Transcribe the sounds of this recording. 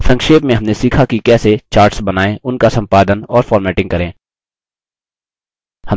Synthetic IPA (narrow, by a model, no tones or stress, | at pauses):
sɐ̃ŋkʃeːpmẽɦɐmnesiːkʰakikɛːset͡ʃaːɾʈsbɐnaːẽʊnkasɐ̃mpaːd̪ənɔːɾfɔːɾmɛːʈɪ̃ŋɡ̚kɐɾẽː | hɐ